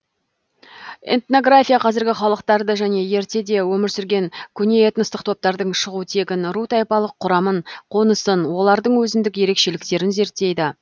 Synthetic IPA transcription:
ḛnt̪no̞ɡrafʲijaqʰɑzɪɾɡʲɪχɑlˠəqt̪ɑɾd̪əʒæne̞je̞ɾt̪e̞d̪e̞wɵmɪɾsʏɾɡʲe̞ŋkʲʰʏne̞et̪nəst̪əqt̪ʰo̞p̚t̪ɑɾd̪əɴʃəʁut̪ʰe̞ɡʲɪnrut̪ɑjpɑlˠəqʰːʊɾɑməɴqʰo̞nəsənwo̞lˠɑɾd̪əɴwɵzɪnd̪ɪkʲje̞ɾe̞kʃe̞lɪkt̪e̞ɾɪnze̞ɾt̪ːe̞jd̪ɪ

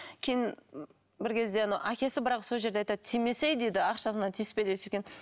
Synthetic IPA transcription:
kʲʰe̞jɪn | bɪɾkʲʰe̞zd̪e̞nɑwʔækʲʰe̞sɪbɪɾɑqsoʒeɾd̪eɑjt̪ɑd̪t̪ʰijme̞sejd̪ed̪ɪɑqʃɑsənɑt̪ʰijsɪ̥pelesekʲen

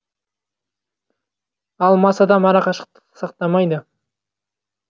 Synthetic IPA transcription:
ɑlˠmɑsɑd̪ɑmɑɾɑqɑʃə̥q̚t̪ə̥sɑqt̪ɑmɑjd̪ə

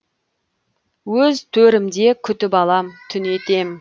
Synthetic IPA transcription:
wɵzt̪ʰɵɾɪmd̪e̞kʲʰʏt̪ɪpɑlˠɑmt̪ʰʏne̞t̪e̞m

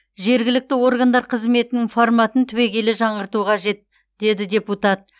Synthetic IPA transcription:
ʒe̞ɾɡʲɪlɪk̚t̪ɪwo̞ɾɡand̪ɑɾqʰəzme̞t̪ɪnɪŋfoɾmɑt̪ənt̪ʰʏwe̞ɡʲe̞lɪʒɑɴəɾt̪uqʰɑʒe̞t̪̚ | d̪̥e̞d̪ɪdʲe̞put̪at̪̚

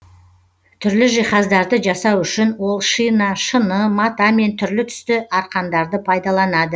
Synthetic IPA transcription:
t̪ʰʏɾlɪʒijχɑzd̪ɑɾd̪əʒɑsɑwʏʃɪnwo̞lˠʃinɑʃənəmɑt̪ɑme̞nt̪ʰʏɾlɪt̪ʰʏ̥st̪ɪʔɑɾqɑnd̪ɑɾd̪əpʰɑjd̪ɑlˠɑnɑd̪ə

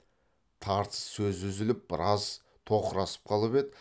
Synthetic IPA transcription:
t̪ʰɑɾt̪ə̥ssɵzʏzɪlɪp̚bɪɾɑz | t̪ʰo̞qəɾɑsə̥p̚qʰɑlˠəped̪ɪ

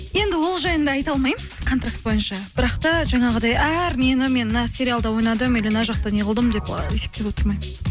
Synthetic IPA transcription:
je̞nd̪ɪwo̞lˠʒɑjənd̪ɑːjt̪ɑlˠmɑjməkʰo̞nt̪ɾrak̚t̪̚bo̞jənʃɑb̥ɪɾɑqt̪ɑʒɑɴɑʁəd̪ɑjæɾnienɪme̞nnɑsʲe̞ɾʲialˠd̪ɑwo̞jnɑd̪əmelenɑʒɑq̚t̪ɑniʁəlˠd̪əmd̪e̞pe̞se̞p̚t̪e̞pwo̞t̪əɾmɑjmə

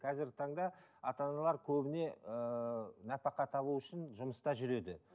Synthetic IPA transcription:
qʰɑzɪɾɡʲɪt̪ʰɑɴd̪ɑɑt̪ɑnɑlˠɑɾkʲʰɵbɪne̞ənɑpɑqɑt̪ʰɑβuʏʃɪnʒʊməst̪ɑʒʏɾe̞d̪ɪ

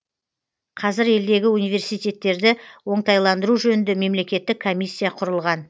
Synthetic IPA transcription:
qʰɑzɪɾe̞ld̪e̞ɡʲɪunijve̞ɾsijt̪ʲe̞t̪ːe̞ɾd̪ɪwo̞ɴt̪ɑjlˠɑnd̪əɾuʒɵnɪnd̪eme̞mle̞kʲe̞t̪ːɪkʰːo̞mʲijsʲːijaqʰʊɾəlˠʁɑn

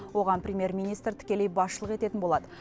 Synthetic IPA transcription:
wo̞ʁɑnprʲɪemʲje̞rmʲijnijst̪ɾt̪ʰɪ̥kʲe̞le̞jbɑsʃəlˠəqe̞t̪e̞t̪ɪnbo̞lˠɑd̪ə

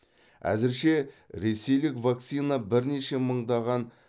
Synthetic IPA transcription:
æ̰zɪɾʃe̞ɾe̞se̞jlɪkvak̚t̪sijnabɪɾne̞ʃe̞məɴd̪ɑʁɑn

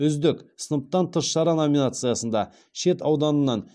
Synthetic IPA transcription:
ʏzd̪ɪksənəp̚t̪ɑnt̪ʰəsʃɑɾɑno̞mʲinat̪sɨjasənd̪ɑ | ʃe̞t̪ɑwd̪ɑnənːɑn

